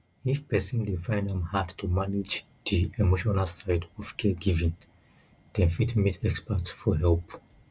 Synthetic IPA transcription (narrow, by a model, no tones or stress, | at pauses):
ifpɛsĩnlifãjndɛ̃mhadtumanid͡ʒ | diemoʃɔnalsaɪdɔv̥kʰɛɡivĩn | d̥ɛ̃nfitmitʰɛkspatsfɔɦɛlp